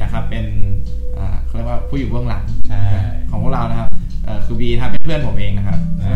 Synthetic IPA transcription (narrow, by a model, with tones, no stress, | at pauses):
jaː˨˩kʰɾa˦˥pːe˧nʔaː˨˩a˧˥˩ɾjəkwaː˥˧˩pʰuː˥˩juː˨˩bɯ˥˩əŋla̰˨˩˦ŋaː˧˩kʰɔː˨˩˦ŋpʰɾa˧wna˦˥kʰa˦˥p̚ʔɤː˨˩kʰɯː˧wiː˧t̪ʰa˦˥˩pːa˥˩pʰlɯ˧˥˩ənpʰo˨˩˦mʔeː˧ŋna˦˥kʰa˦˥p̚ː